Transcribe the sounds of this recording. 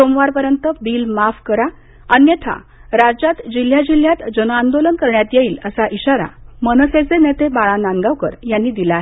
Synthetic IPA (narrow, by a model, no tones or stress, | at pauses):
somʋaɾpəɾjənt̪əbiːlmafkəɾa | ənjət̪ʰa̰ | ɾad͡ʑat̪d͡ʑil̤jad͡ʑil̤ːjat̪d͡ʑənand̪olənkəɾɳjat̪jeiːləsaʔiɕaɾa̰mənəset͡senet̪ʰebaɭanaŋɡaʋkəɾjanːiːd̪ilaɦe